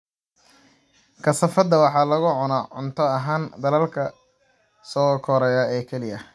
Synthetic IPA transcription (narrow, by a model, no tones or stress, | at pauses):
kʰɐsɐfɐd̪ɐwɑħɑːlɐɣʊʕʊnaʕʊnt̪ʰɔɐɦaːnd̪ɐlɐlkʰɐ | sɔːkʰɔɾɛjaɛːkʰɛlɪjɐ